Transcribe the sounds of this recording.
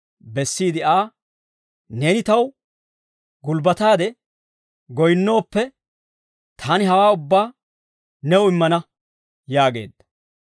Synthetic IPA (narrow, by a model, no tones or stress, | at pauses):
bɛsːiːd̪ɪaː | ne̞ːnɪt̪ɐw | ɡʊlbɐt̪aːd̪ɛ | ɡɔjnːo̞ːpːɛ | t̪ʰaːnɪɦɐwaːʊbːaː | nɛwɪmːɐnɐ | jaːɡe̞̰ːd̪ːɐ̥